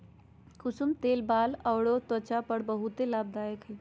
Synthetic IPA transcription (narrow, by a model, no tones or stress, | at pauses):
kʊsumt̪eːlbaːləwɽot̪wət͡ʃapəɽbəɦut̪elaːb̚d̪aːjəkɦe